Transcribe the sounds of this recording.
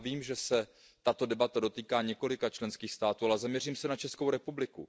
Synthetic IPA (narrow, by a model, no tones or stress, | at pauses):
viːmʒɛsɛ | t̪at̪o̞dɛbat̪ado̞t̪iːkaːɲɛko̞lɪkat͡ʃlɛnskiːxst̪aːt̪uːalɛzamɲɛr̝iːmsɛnat͡ʃɛskowɾɛpublɪku